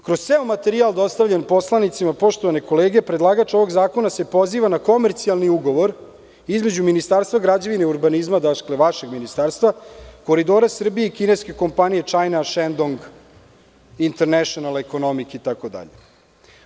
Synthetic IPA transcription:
kɾost̪eomat̪eɾialˠd̪o̞st̪aʋʎenpo̞slanit̪simapo̞ʃt̪oʋane̞ko̞leːɡepɾed̪lˠaɡat͡ʂo̞ʋo̞ɡzaːko̞nase̞po̞ziːʋanako̞meɾt̪sialˠniuɡo̞ʋo̞ɾ | izme̞d͡ʑuminist̪aɾst̪vaɡɾad͡ʑaʋineiuɾbanizmad̪akle̞ʋaʃe̞ɡminist̪aɾst̪ʋako̞ɾid̪o̞ːɾasr̩bijeikine̞ske̞ko̞mpanije̞t͡ʂajnaʃend̪oŋɡ | int̪eɾnɛʃonaleko̞no̞mikit̪akod̪a̰ʎe

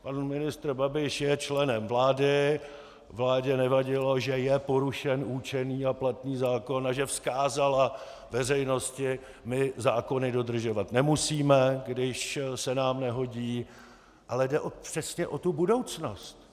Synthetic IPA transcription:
panmɪnɪst̪rbabɪʃjɛt͡ʃlɛnɛmvlaːdɪ | vlaːɟɛnɛvaɟɪloʒɛjɛpo̞ɾuʃɛnʔuːt͡ʃɛniːaplat̪niːzaːko̞naʒɛfskaːzala | vɛrɛjno̞scɪ | mɪzaːko̞nɪdo̞dr̩ʒo̞vat̪nɛmusiːmɛɡdɪʃsɛnaːmnɛɦo̞ɟiː | ʔalɛdɛʔopr̥ɛsɲɛʔo̞t̪ubudo̞wt͡snost̪

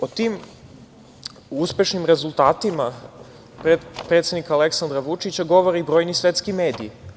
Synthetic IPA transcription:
ot̪im | uspe̞ʃnimɾezulˠt̪aːt̪ima | ppɾe̞t̪sed̪ikaːleksand̪ɾaʋut͡ʂit͡ɕaɡo̞ʋoɾiːbɾojnisʋet̪skimeːd̪iː

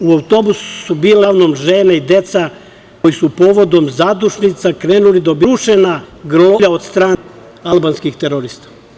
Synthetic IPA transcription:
uawt̪o̞bususubiːlaʋnomʒeːneid̪e̞t̪sa | kojisupoːʋo̞d̪o̞mzad̪uʃnit̪sakɾeːnulid̪obiɾuʃenaɡɾoʎaod̪st̪ɾaː | alˠbanskixt̪eɾoɾiːst̪ḁ

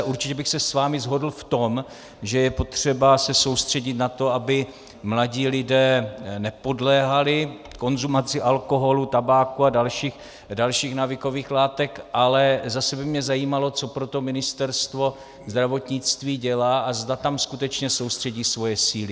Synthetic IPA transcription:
ʔuɾt͡ʃɪcɛbɪxsɛsvaːmɪzɦo̞dl̩ft̪o̞m | ʒɛjɛpo̞t̪r̝̥ɛbasɛso̞wst̪r̝̥ɛɟɪt̪nat̪o̞abɪ | mlaɟiːlɪdɛːnɛpo̞dlɛːɦalɪ | ko̞nzumat͡sɪʔalko̞ɦo̞lut̪abaːkuadalʃiːx | dalʃiːxnavɪko̞viːxlaːt̪ɛkʔalɛzasɛbɪmɲɛzajiːmalo̞t͡so̞pɾo̞t̪o̞mɪnɪst̪ɛɾst̪vo̞ | zd̪ɾavo̞t̪ɲɪt͡st̪viːɟɛlaːʔazdat̪amskut̪ɛt͡ʃɲɛsowst̪r̝̥ɛɟiːsvo̞jɛsiːlɪ

